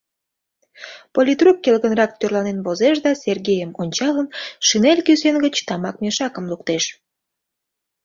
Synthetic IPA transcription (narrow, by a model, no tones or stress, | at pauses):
polʲit̪rukːelɣənrɑk̚t̪ørlɑnenβozeʃ̬d̪ɑsʲerɣʲejəmonʲt͡ɕɑlənʃinelʲkyzenɡət͡ɕt̪ɑmɑk̚meʃɑkə̆mluk̚t̪eʃ